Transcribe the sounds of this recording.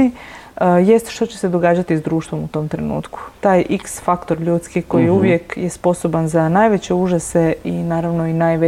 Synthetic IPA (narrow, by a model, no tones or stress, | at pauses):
iəje̞st̪ʃt̪ot͡ɕesed̪o̞ɡaːd͡ʑat̪izd̪ɾuːʃt̪ʋo̞mut̪o̞mt̪ɾe̞nṵːt̪ku̥t̪aːjʔiksfakt̪o̞ɾʎuːt̪skiko̞jiuʋje̞kjespo̞sobanzanaːjʋet͡ɕe̞uʒase̞inaːɾaʋno̞inajʋe